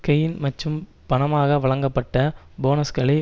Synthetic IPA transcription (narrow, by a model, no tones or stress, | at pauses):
kːɐjɪnmɐt͡ʃːɯm | pɐnɐmaːɣɐʋɐɭɐŋɡɐpːɐʈːɐ | boːnɐskɐɭɐɪ